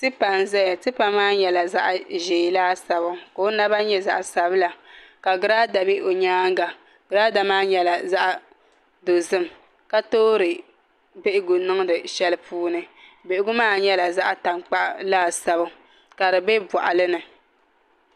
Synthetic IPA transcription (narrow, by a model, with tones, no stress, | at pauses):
tɨ˦pa˨nzɛ˦ja˨tɨ˦pa˨mːaː˦ɲɛ˨la˨za̰˦ʔʒeː˨laː˦sa˨βʊ˦ko˨˦na˦ba˦ɲɛ˦za̰˨ʔsa˨bɨ˦la˨ka˨ɡɨ˦ɾa˦da˨bi˦o˨ɲaː˦ŋ˦ɡa˨ | ɡ̥ɨ˨ɾaː˦da˨maː˦ɲɛ˦la˨za˦ʔa˨ | do˨zɨ˦m | ka˦toː˦ɾɨ˨ | be˦ʔɪ˦ɡʊ˨nɨ˦ŋ˦dɨ˨ʃɛ˦lɨ˦pʰuː˦nɨ˦be˨ʔɪ˦ɡʊ˦maː˦˨ɲɛ˦la˨za˦ʔa˦ta˨ŋk͡pa˦ʔlaː˦sa˦bʊ˦ | ka˨ɾɨ˨be˦bwɔ˨ʔa˨lɨ˦nɨ˨